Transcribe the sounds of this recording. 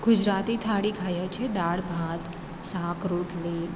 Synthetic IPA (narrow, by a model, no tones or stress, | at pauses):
ɡ̥ʊd͡ʒɾat̪it̪ʰaɽikʰajəɾt͡ʃʰed̪aɭbʱat̪ | sãkɾuʈli